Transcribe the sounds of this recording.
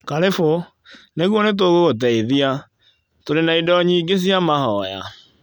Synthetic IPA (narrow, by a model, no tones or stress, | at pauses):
kaɾefo | neɣuɔnet̬oɣoɣot̬ɛiðia | toɾenaidɔɲiːɡes̬iamahɔja̰